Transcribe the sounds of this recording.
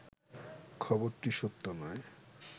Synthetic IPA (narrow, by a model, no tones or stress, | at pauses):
kʰɔboɾʈiʃot̪ːonɔe